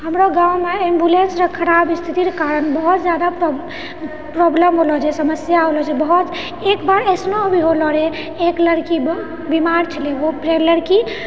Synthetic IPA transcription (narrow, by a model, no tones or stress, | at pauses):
ɦəmɾɔɡãumeembulensɾəkʰːəɾabist̪ʰit̪iɾekaɾənbəɦut̪d͡ʒjad̪a | pɾoblemɦolɔd͡ʒɛsəməsjaɦolɔd͡ʒɛbəɦut̪ | ekbaɾəsnoobiɦolɔɾɛ | ekləɽkib | bimaɾt͡ʃʰəleopɾeləɽki